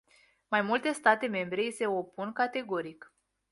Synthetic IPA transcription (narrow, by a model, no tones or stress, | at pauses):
majmult̪e̞st̪at̪e̞me̞mbɾe̞ise̞o̞punkat̪e̞ɡo̞ɾik